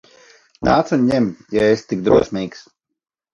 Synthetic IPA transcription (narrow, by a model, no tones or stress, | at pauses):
na̰ːt̪sunʲɲɛmjaest̪ik̚d̪ɾuɔsʲmʲiːks